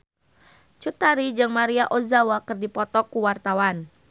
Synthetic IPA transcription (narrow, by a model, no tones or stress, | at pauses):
t͡ʃut̪aɾid͡ʒɨŋmaɾiaʔozawakɨrdipɔt̪ɔkuwart̪awan